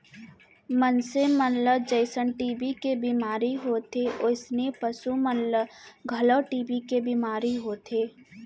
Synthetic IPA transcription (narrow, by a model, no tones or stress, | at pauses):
mənsemənləd͡ʒəɪsənʈiːbikebimaːɾiɦoːt̪eʔʊsnepəsumənləɡʱələʈiːbikebimaːɾiɦoːt̪ʰeː